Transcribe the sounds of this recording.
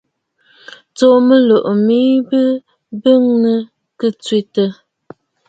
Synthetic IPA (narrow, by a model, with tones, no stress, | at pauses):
t͡so˨mə˦lo˨ʔmi˦bə˦ | bə˦ŋnə˨ | kə˦t͡swe˨tə˨